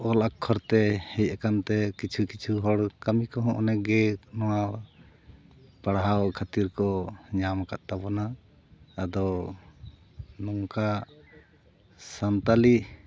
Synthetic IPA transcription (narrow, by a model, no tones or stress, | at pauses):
ɔlakʰːɔɾt̪ɛhɛjakant̪ɛkit͡ʃʰukit͡ʃʰuɦɔɽkamikɔɦɔ̃ʔɔnɛɡɛnɔwa | paɽɦawkʰat̪iɾkɔɲamkaʔ̪t̪abɔnaː | d̪ɔ | nɔŋka | sant̪ali